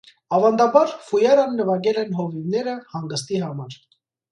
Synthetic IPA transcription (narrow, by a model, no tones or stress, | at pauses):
ɑvɑnd̪ɑbɑɾfujɑɾɑnːəvɑɡɛlɛnɦɔvivnɛɾəhɑŋɡəst̪iɦɑmɑɾ